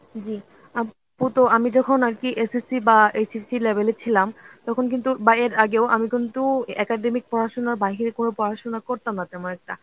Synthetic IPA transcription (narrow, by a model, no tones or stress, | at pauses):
d͡ʑi | a | put̪oamid͡ʑɔkʰonaɾkiʔesisibaesisilebʱelet͡ɕʰilamt̪ɔkʰonk̬int̪ubaeɾaɡeoʔamikint̪uɛkaɖemik̚pɔɾaʃonaɾbaɦiɾekonopɔɾaʃonakoɾt̪amnat̪ɛmonɛk̚ʈa